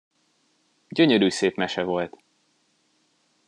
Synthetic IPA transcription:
ɟøɲøɾyːseːpmɛʃɛvo̞lt̪

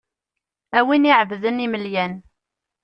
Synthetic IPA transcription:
æwiniʕəvðəniməljæn

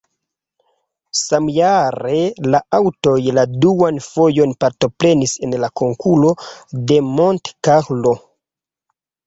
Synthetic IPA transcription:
samjaɾe̞laawto̞jladuanfo̞jo̞npaɾto̞pɾe̞nise̞nlako̞ŋkʰulo̞de̞montkaxlo̞

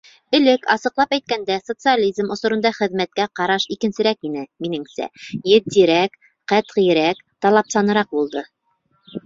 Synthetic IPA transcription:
ɵ̆lɘkɑsɤ̆qlˠɑpæjt̪̚kænd̪æsot̪sɨalʲizmŏsŏɾŏnd̪ɑχɘ̆ðmæt̪̚kæqɑɾɑʃikɘ̆nsɘ̆ɾækinɘminɘŋsæ̰jɘð̚d̪iɾæk | qæt̪ʁijɘ̆ɾækt̪ɑlˠɑpsɑnɤ̆ɾɑq̚bulˠd̪ɤ

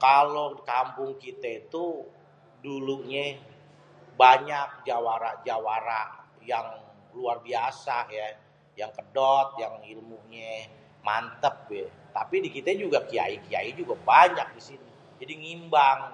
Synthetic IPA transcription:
kalokampʊŋkit̪ait̪u | duluɲɛ | baɲak̚d͡ʒawaɾaʔd͡ʒawaɾaʔ | jaŋ | luarbiasaja | jaŋkədɔt̪̚jaŋilmuɲɛ | mant̪əp̚ɛ | t̪apidikit̪ɛd͡ʒuɡakia̰ikia̰id͡ʒuɡabaɲak̚disini | d͡ʒadiŋimbaŋ

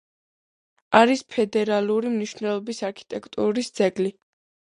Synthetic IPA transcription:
aɾispʰɛd̪ɛɾaluɾimniʃnɛlˠɔbisaɾkʰi̥t̪ʼɛkʰt̪ʼuɾisd̪zɛɡli

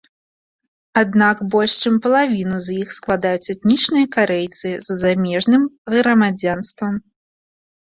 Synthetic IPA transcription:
ad̪nakbɔlʲʂt͡ʂɨmpɐlˠavʲinuzʲjixsklˠad̪ajut͡sʲɛt̪nʲit͡ʂnɨjɐkaɾɛjt̪sɨzːamʲɛʐnɨmɣɾɐmad͡zʲanst̪vɐm

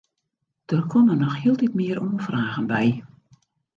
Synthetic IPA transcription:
d̥ərkʰɔmənɔxhiəlˠtitmɪəɾoːfraːɣənbɛj

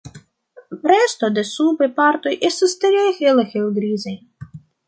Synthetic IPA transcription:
ɾest̪od̪esubepaɾt̪ojʔest̪ast̪ɾexelexelɡɾizaj

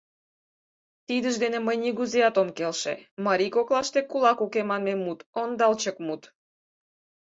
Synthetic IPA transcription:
t̪id̪əʒd̪eneməjniɣuzeɑt̪omkelʃḛmɑɾʲikoklɑʃt̪ekulɑkukemɑnmemut̪ond̪ɑlt͡ɕəkmut̪

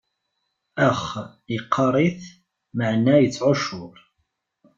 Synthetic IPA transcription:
əχ | jəqʰːɑɾˤiθ | maʕnæjət͡sːʕʊʃʊɾˤ

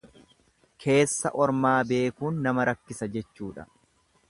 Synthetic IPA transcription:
kʰe̞ːsːɐʔɔɾmaːbe̞ːkuːnːɐmɐɾɐkːɪsɐd͡ʒɛt͡ʃːuːᶑɐ̥̰

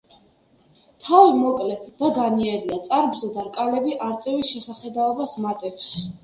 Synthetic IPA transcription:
t̪ʰavimɔkʼlɛd̪̥aɡaniɛɾiat̪sʼaɾbzɛd̪aɾkʼalɛbiʔaɾt̪sʼɛvisʃɛsaχɛd̪aɔbasmat̪ʼɛps

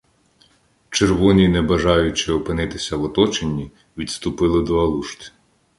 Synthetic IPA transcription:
t͡ʃerʋɔnʲinɛbɐʒɑjʊt͡ʃɪɔpɪnɪt̪ɪsʲɐwɔt̪ɔt͡ʃenʲːi | ʋʲid̪st̪ʊpɪlˠɪd̪ɔɐlˠuʃt̪ʲ

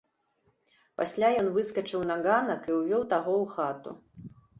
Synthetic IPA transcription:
pasʲlʲajɔn̪vɨskɐt͡ʂɨwnaɡanɐkiwvʲɔwt̪aɣɔwxat̪ṵ

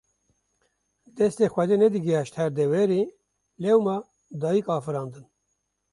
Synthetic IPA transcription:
d̪ɛst̪exʷwɛd̪eːnɛd̪ɨɡiɑːʃt̪hæɾd̪ɛwɛɾi | lɛwmɑː | d̪ɑːjikɑːfɨɾɑːnd̪ɨn

